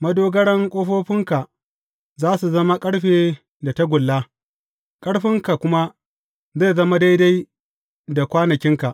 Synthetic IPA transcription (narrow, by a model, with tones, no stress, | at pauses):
mɐ˦doː˦ɡɐ˦ɽɐ˦ŋkʷʼoː˦ɸoː˦ɸɪ˦ŋka˨ | zaː˦su˨zɐ˦ma˦kʼɐ˦ɽɸeː˨ | da˨ta˦ɡʷʊ˨lːa˦ | kʼɐ˦ɽɸɪ˦ŋka˨kʷʊ˦ma˦ | za˦˨zɐ˦ma˦da˦jda˦j | da˨kʷaː˦nɐ˨kʲɪ˦ŋka˨ʔ